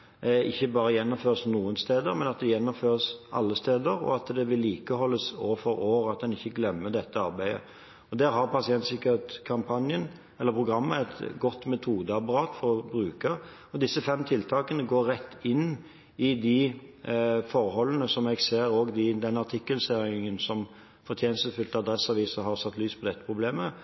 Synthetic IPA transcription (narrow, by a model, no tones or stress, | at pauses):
ɪçːəbɑːɾəjɛnːʊmføːʁsnuːənst̪eːd̪əɾmɛnɑt̪̚d̪ɛjɛnːɔmføːʁəsʔɑ̰lːəst̪eːd̪əɾɔ̰ɑt̪d̪ɛʋɪlːiːkəhɔlːəsoːfɔɾoːɾɑt̪̚d̪ɛnɪçːəɡlɛmːəd̪ɛt̪ːəɑɾbæɪə̰ | ɔd̪æːɾɦɑɾpɑsɪɛnt̪sɪkəɾet̪kʰɑmpʰɑnjən | ɛlːəɾpʰɾʊɡʁɑmːəɛt̪ɡɔt̪ːmɛt̪ʰuːd̪əɑpɑɾɑːt̪fɔɾɔbɾʉːkɑ | ɔd̪ɪsːəfɛmt̪ʰɪlt̪ʰɑːkənəɡoːɾɾɛt̪ːɪnː | ɪd̪ɪ | fɔɾhɔlːənəsɔmɛɡseːɾoːɡd̪ɪd̪ɛnɑt̪ʰɪkːəlseːɾɪŋənsɔm | fɔɾt̪ʰjeːnəsəfʉlt̪əɑd̪ɾɛsɑʋiːsəɦɑɾsɑt̪ːlyːspʰɔd̪ɛt̪ːə̥pʰɾʊbleːmə